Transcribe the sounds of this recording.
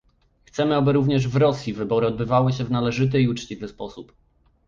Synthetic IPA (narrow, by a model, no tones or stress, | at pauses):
xt̪sɛmɘabɘɾuvɲɛʐvɾɔsʲjivɘbɔɾɘɔd̪̚bɘvawɘɕɛvnalɛʐɘt̪̬ɘiut͡ʂt͡ɕivɘspɔsup